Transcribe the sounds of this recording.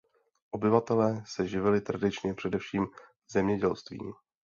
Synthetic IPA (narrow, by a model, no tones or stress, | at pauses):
ʔo̞bɪvat̪ɛlɛːsɛʒɪvɪlɪt̪ɾadɪt͡ʃɲɛpr̝̥ɛdɛfʃiːm | zɛmɲɛɟɛlst̪vḭːm